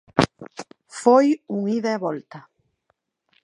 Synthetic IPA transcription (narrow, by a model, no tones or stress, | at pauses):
fojuŋiðaeβɔlt̪a